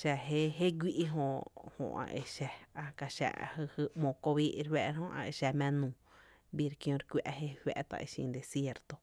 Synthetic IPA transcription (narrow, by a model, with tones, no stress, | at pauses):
ʃɛ˧ɦe˦ɦe˦ɡʷi˦ʔi˦ɦõ˧˨hõ̰˧˨ʔã̰˧ʔe˧ʃɛ˧a˧ka˨ʃa̰˨a̰˧hɨ˧hɨ˧mõ˨ko˧βiː˦ʔɾwɛ˧ʔɾhõ˦ʔã̰˧e˧˨ʃɛ˧mɛ̃˦˧nũː˨ | bi˧ɾkj̃õ˧ɾkʷɛ̰˧ʔɦe˦hwɛ̰˧ʔt̪a̰˧ʔe˧ʃḭ̃˧d̪e˨sje˧ɾt̪o˧